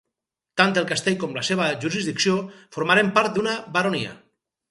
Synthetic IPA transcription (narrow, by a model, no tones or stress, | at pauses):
t̪ant̪elˠkast̪eʎkɔmlaseβ̞əʒuɾizðiksiofoɾmaɾempaɾt̪̚d̪unabaɾoniɐ̰